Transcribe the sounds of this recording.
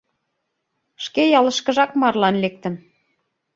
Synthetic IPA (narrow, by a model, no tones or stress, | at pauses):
ʃkejɑlə̆ʃkə̆ʒɑkmɑrlɑnlek̚t̪ə̆n